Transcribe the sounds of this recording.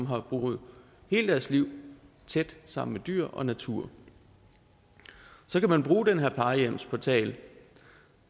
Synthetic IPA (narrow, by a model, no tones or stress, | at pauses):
mɦɑ̈b̥ʁuːð̩ˠ | he̝ːld̥æɐsliʊ̰ | t͡sʰed̥sɑ̈m̰n̩med̥y̰ɐ̰ʔɒ̽næt͡sʰṵɐ̰ | sɒ̽kæmænb̥ʁuːd̥enɦeɐ̰pʰlɑ̈ɪəjem̰spʰɒt͡sʰɛ̰ːl